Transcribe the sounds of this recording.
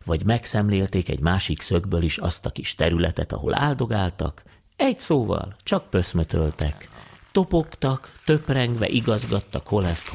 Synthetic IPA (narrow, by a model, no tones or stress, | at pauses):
vɒɟmɛksɛmleːlt̪eːkɛ̰ɟmaːʃiksøɡbøliʃɒst̪ɒkiʃt̪ɛɾylɛt̪ɛt̪ɒ̰ɦo̞̰la̰ːld̪o̞ɡaːlt̪ɒ̰k | ɛɟsoːvɒ̰lt͡ʃɒk̚pø̞smøt̪ølt̪ɛkt̪o̞po̞kt̪ɒkt̪ø̞prɛŋɡʋɛ̰ʔiɡɒzɡɒt̪ːɒkho̞lɛst̪